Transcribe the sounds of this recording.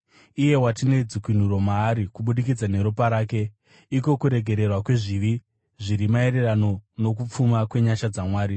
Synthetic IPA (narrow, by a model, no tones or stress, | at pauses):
ije̞watine̞d͡zikwin̤uɾo̞maːɾikuɓuɗik̬id͡zane̞ɾupaɾaːke̞ | iko̞kuɾe̞ɡʱe̞ɾe̞rwakwe̞ʐiʋi | ʐiɾimae̞re̞rano̞no̞kup͡fumakwe̞ɲaʃad͡zamwaːɾi